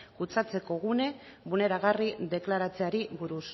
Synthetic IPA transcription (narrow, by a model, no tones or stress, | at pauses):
kut͡sat͡se̞ko̞ɣune̞βune̞ɾaɣ̞ariðe̞klaɾat͡se̞aɾiβuɾus